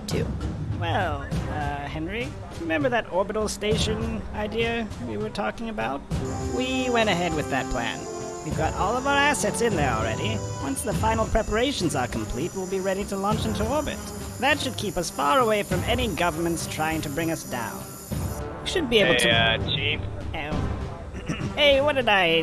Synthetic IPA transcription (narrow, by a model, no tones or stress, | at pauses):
tʰʉ̰wɛlˠʌhɛ̃nɹi | ɹɨmɛ̃mbə˞ðɨɾɔɹbɨɾl̩ˠsteɪʃɨ̃naɪdiɨwiwə˞tʰɔkɪ̃ŋɨbaʊt̚wiwɛ̃ɾ̃ɨɦɛd̚wɨðɨt̚pʰl̥æ̰̃n | wivɡɑɾʔɔlˠʌvaʊə˞æsɛtsɨ̃nðə̰˞l̩ˠɹɛ̰ɾiwʌ̃nsðəfãɪ̃nl̩ˠpʰɹ̥ɛpə˞eɪʃn̩zəkʰm̩pʰl̥it̚wɪlˠbiɹɛɾiɾəlɔ̃nt͡ʃɪ̃ntʰəɔɹbɨ̰t̚ | ðɨtʃɨd̚kʰipʌsfɑɹəweɪfɹʌ̃mɛniɡʌvə˞mɨ̃n̩tstʰɹ̥aɪɪ̃ŋtʰɨbɹɪ̃ŋʌsd̥ã̰ʊ̃n | ʃɨd̚bieɪbl̩ˠtʰt͡ʃʰifɛ | eɪwʌdɨɾaɪ